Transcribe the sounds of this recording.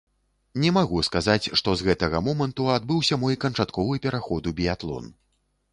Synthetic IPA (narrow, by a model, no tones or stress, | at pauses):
nʲɛmaɣuskazat͡sʲʂt̪ɔzɣɛt̪ɐɣɐmɔmɐnt̪uad̪bɨwsʲɐmɔjkɐnt͡ʂat̪kɔvɨpʲɛɾaxɔd̪ubʲiat̪lˠɔ̰n